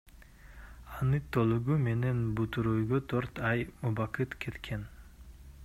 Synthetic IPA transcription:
ɑnɨt̪ʰːolˠuɡume̞ne̞nbut̪uɾojɡot̪ʰøɾt̪ɑjmubaqɯt̪kʲʰe̞t̪kʲʰen

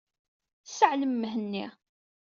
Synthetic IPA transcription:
səʕləmːəɦənːi

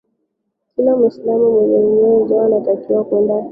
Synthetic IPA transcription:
kilamwislamumwɛzɛɲɛzaanatakiwakwɛnda

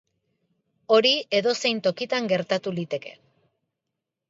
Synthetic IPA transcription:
o̞ɾie̞ðo̞se̞jnt̪o̞kit̪aŋɡe̞ɾt̪at̪ulit̪e̞ke̞̰

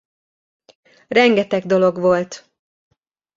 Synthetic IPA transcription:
rɛŋɡɛt̪ɛɡ̚d̪o̞lo̞ɡʋo̞lt̪

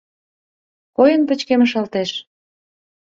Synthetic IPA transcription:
kojənpə̆t͡ɕkeməʃɑlt̪eʃ

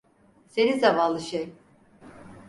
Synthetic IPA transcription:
senizavanlˠɯʃej

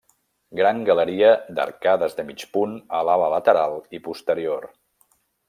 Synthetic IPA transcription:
ɡɾaŋɡələɾiəd̪ə̰ɾkaðəzðəmit͡ʃpunəlalələt̪əɾalˠipust̪əɾior

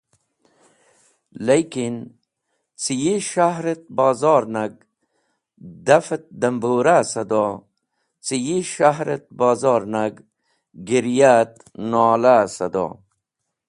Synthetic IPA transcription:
lajkin | t͡sijiʃaɦɾet̪̚bɑːzɑːɾnaɡ̚ | d̪ɐfet̪̚d̪ɐmbuːɾasɐd̪o | t͡sijiʃaɦɾet̪̚bɑːzɑːɾnaɡ | ɡiɾjat̪ | nɔːlasɐd̪o̰

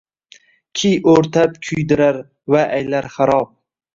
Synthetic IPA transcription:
kʲʰijʔoɾt̪ʰap̚kʲʰʊjd̪ɪɾaɾ | vaʔajlaɾχaɾɒp̚

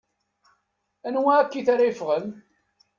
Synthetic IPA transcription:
ænwækːiθaɾajəfʁən

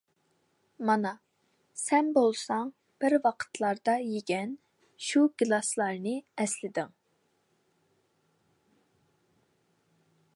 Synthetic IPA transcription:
mɑnɑ | sɛnbolˠsɑŋ | b̥ɪɾwɑqʰə̥t̪ʰlˠɑɾd̪ɑjeɡʲɛn | ʃuɡlˠɑslˠɑɾnɨɛslɪd̪ɪŋ

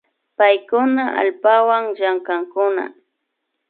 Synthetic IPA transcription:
pajkʊnaʔa̰lpawaŋʒaŋkaŋkʊna̰

